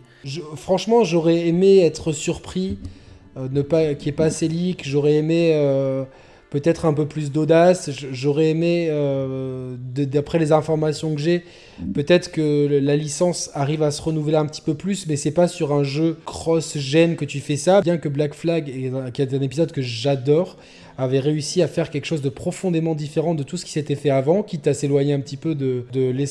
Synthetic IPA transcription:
ʒəfχɑ̃ʃmɑ̃ʒɔʁɛemeɛt̪χəsyʁpχi | ønəpakʲiɛpaselikʒɔʁɛemeø | pøt̪ɛt̪χɛ̃pøplys̬d̪od̪asʒəʒɔʁɛemeø | d̪əd̪apχɛlezɛ̃fɔʁmasjɔ̃kəʒɛ | pøt̪ɛt̪χə̥kəlalisɑ̃saʁivasəʁənuvleɛ̃pət̪i̥pøplysmɛsɛpasyʁɛ̃ʒøkχɔsʒɛnkət̪yfɛsabjɛ̃kəblakflaɡɛɛ̃kʲɛt̪ɛ̃nepizɔd̪kəʒəʒad̪ɔːʁ | avɛʁeysiafɛʁkʲɛlkə̥ʃozd̪əpχɔfɔ̃d̪emɑ̃d̪ifeʁɑ̃d̪ət̪usə̥kʲi̥set̪ɛfɛavɑ̃kʲit̪aselwaɲeɛ̃pət̪ipød̪əd̪əle

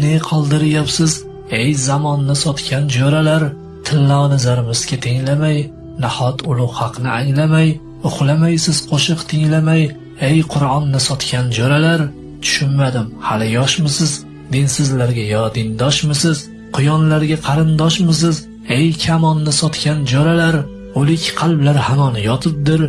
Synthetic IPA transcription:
neqʰɒlˠd̪ɪɾɪjapsɪz | ejzamɒnːɪsɒt̪kʲʰand͡ʒoɾalaɾ | t̪ʰɪlːɒnɪzaɾɪmɪz̥ɡʲat̪ʰeŋlamaj | nahɒt̪ʰʊlˠʊʁhɑqʰnɪʔaŋlamaj | ʊχlamajsɪz̥qʰoʃɨqt̪ʰɪŋlamaj | ejqʰʊɾɒnːɪsɒt̪kʲʰand͡ʒoɾalaɾ | t̪ʰʊ̥ʃʊnmad̪ɪmhalɪjɒʃmɪsɪz | d̪ɪnsɪzlaɾɡʲajɒd̪ɪnd̪ɒʃmɪsɪz̥ | qʰʊjɒnlaɾɡʲaqʰɑɾɪnd̪ɒʃmɪs̬ɪz | ejkʲʰamɒnːɪsɒt̪kʲʰand͡ʒɒɾalaɾ | olɪkʲqʰɑlˠblaɾhanɒnɪjɒt̪ʰɪp̚d̪ɪɾ

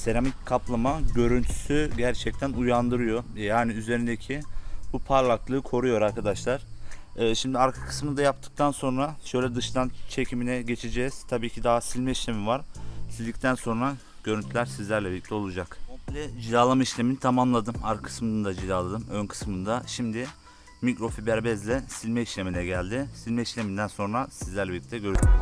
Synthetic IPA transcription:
se̞ɾamickʰːaplˠamaɟø̞ɾynt̪ʰy̥syɟæɾt͡ʃʰɛc̚t̪ʰænujand̪ɯɾɯjo̞jaːniyze̞ɾind̪ecʰibupʰaɾlˠaklˠɯːkʰo̞ɾujo̞ɾaɾkʰad̪aʃlˠaɾ̥ːʃimd̪iaɾkʰḁkʰɯ̥smɯnd̪ajap̚t̪ʰɯ̥k̚t̪ʰanso̞nɾaʃø̞jlʲɛd̪ɯʃd̪ant͡ʃʰe̞cʰiminɛɟe̞t͡ʃʰed͡ʒɛz̥t̪ʰabiːcʰid̪aɦasilʲmɛiʃlʲe̞mivaɾ̥sizʲd̪ic̚t̪ʰænso̞nɾa | ɟ̥øɾynt̪ʰylʲæɾsizlʲæɾlʲɛbilʲːic̚t̪ʰɛo̞lˠud͡ʒakomlʲɛd͡ʒilaːlˠamaiʃlʲeminit̪ʰamamlˠad̪ɯmaɾkakʰɯ̥smɯnɯd̪ad͡ʒilaːlˠad̪ɯmønkʰɯ̥smɯnd̪aʃimd̪ɪ | micɾo̞fibæɾbɛzlʲɛsilʲmɛiʃlʲe̞minɛɟælʲd̪ɪsilʲmɛiʃlʲemind̪ænso̞nɾasizlʲæɾlʲɛbilʲːic̚t̪ʰɛɟø̞ɾyy

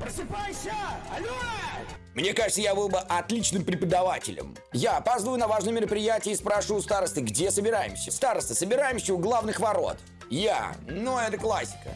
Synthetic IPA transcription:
pɾəsɨpajɕə | mnʲekaʐɨt̪səjabɨlˠbəʔɐt̪lʲit͡ɕnɨmpɾʲɪpəd̪ɐvatʲɪ̰lʲə̰m | jaːpazd̪vəjʊnɐvaʐnəjmʲɪɾəpɾʲɪjætʲɪəːspɾaʂjʊst̪aɾəst̪ɨɡdʲesəbʲɪɾajɪ̰msʲːəst̪aɾəst̪əsəbʲɪɾajɪmsʲəʊɡlˠavnɨxvɐɾo̞̰t̪ | ja̰nuɛt̪əklˠasʲːɪ̥kə̰

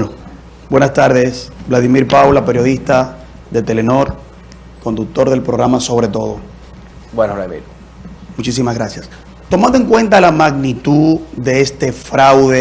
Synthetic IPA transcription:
no | bwe̞nast̪aɾðesblaðimiɾpawlape̞ɾjo̞ðist̪a | ðe̞t̪e̞leno̞ɾ | ko̞nd̪uk̚t̪o̞ɾðe̞lpɾoɣɾamaso̞β̞ɾe̞t̪o̞ðo̞̰ | wenolamḭɾ | mut͡ʃis̬imazɣɾasjas | t̪o̞mand̪oe̞ŋkwe̞nt̪alamaɣnit̪uððe̞est̪e̞fɾawðe

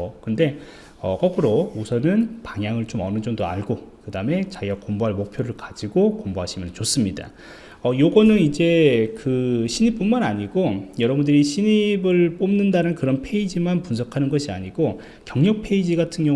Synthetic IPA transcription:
kɯnde̞ | ʌ̰kʌɡɯɾousʰʌnɯnpaŋjaŋɯɭt͡ɕomʌnɯd͡ʑʌŋdoa̰ɭɡokɯdame̞t͡ɕaɡiɡakomboɦaɭmok̚pʰjoɾɯɭkad͡ʑiɡokomboɦaɕʰimjʌnt͡ɕos͈ɯmɲida̰ | ʌjoɡʌnɯnid͡ʑe̞kɯɕʰiɲip͈unmanaɲiɡojʌɾʌbundɯɾiɕʰiɲibɯɭp͈omnɯndanɯnkɯɾʌnpʰeid͡ʑimanpunsʰʌkʰanɯnɡʌɕʰiaɲiɡ̥o | kjʌŋɲʌk̚pʰe̞id͡ʑiɡatʰɯnɡjʌ

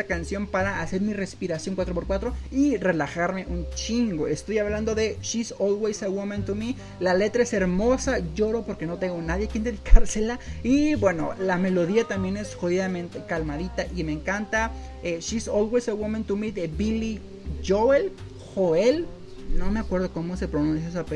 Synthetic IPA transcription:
akansjompaɾaːse̞ɾmirespiɾasjoŋkwat̪ɾopoɾkwat̪ɾoirelaxaɾmeʔunt͡ʃiŋɡoest̪ojaβland̪oðeʃisoðwejsewomẽnt̪umi | lalet̪ɾaeseɾmosaʝoɾopoɾkenot̪eŋɡonaðjekind̪eðikʰaɾselaibweno̰lamelo̞ðiat̪ambje̞nesxoðiðamẽnt̪ekalmaðit̪aʔimeŋkant̪a | eʃisoðwejsawomẽnt̪umiðebili | ʝoel | xoel | nomeakwe̞ɾð̞okomosepɾonũnsjaes̬ape

